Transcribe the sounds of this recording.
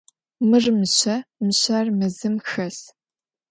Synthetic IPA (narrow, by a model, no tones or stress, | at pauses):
mɨrmɨɕɐmɨɕɐrmɨzɨmxɐs